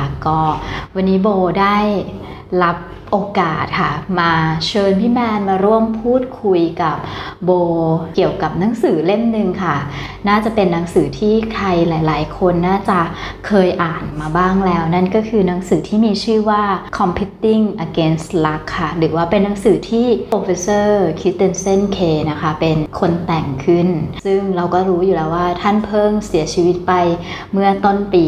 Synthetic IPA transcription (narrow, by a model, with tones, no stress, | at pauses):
kɔː˥˩wa˧nːiː˦˥boː˧daː˥˩j | ɾa˦˥p̚ | ʔoː˧kaː˨˩t̪̚kʰa˥˩maː˧t͡ɕʰɤː˧npʰiː˦˥˩mɛː˧nmaː˧ɾu˥˩əmpʰuː˥˩t̪̚kʰu˧jka˨˩p̚boː˧ki˨˩əwka˨˩p̚na˩˦ŋsɯː˩˦le˥˩mnɯ˨˧ŋkʰa˥˩ | naː˥˩t͡ɕa˨˩pe˧nːa˩˦ŋsɯː˩˦t̪ʰiː˥˩k̪ʰa˧jlaː˩˦jlaː˩˦jkʰo˧nːaː˥˩t͡ɕa˨˩ʔkʰɤː˧jʔaː˨˩nmaː˧baː˥˩ŋlɛː˦˥wna˥˩nkɔː˥˩kʰɯː˧na˨˦˥ŋsɯː˩˦t̪ʰiː˥˩miː˧t͡ɕʰɯː˥˩waː˥˩kʰɔ˧mpʰi˦˥t̪ːi˥˩ŋʔa˧keː˦˥nsla˦˥kʰːa˥˩ɾɯː˩˦waː˥˩pe˧nːa˨˦ŋsɯː˩˦t̪ʰiː˥˩oː˧fe˧˥sɤː˥˩kʰi˦˥t̪e˧nse˥˩nkʰeː˧na˦˥kʰa˦˥˩pe˧nkʰo˧nt̪ɛ˨˩ŋkʰɯ˥˩nsɯ˥˩ŋɾa˧wkɔː˥˩ɾuː˦˥juː˨˩lɛː˦˥waː˥˩t̪ʰa˥˩npʰɤː˥˩ŋsi˨˩˦ɐt͡ɕʰiː˧wi˦˥t̪̚pa˧j | mɯ˥˩ɐt̪o˥˩npiː˧